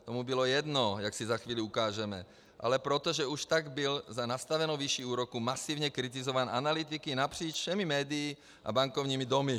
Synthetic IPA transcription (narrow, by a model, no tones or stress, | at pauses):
t̪omubilojɛd̪nojaksizaxʋiːliukaːʒɛmɛ̰ | ʔa̰lɛpɾot̪oʒɛuʃt̪aɡbɪlzanast̪avɛnowviʃiuːɾokumasivɲɛkɾit̪̬izovaːnʔanalit̪ikinapr̝̥iːt͡ʃfʃɛmimɛːd̪ijː | ʔa̰baŋkovɲiːmid̪omi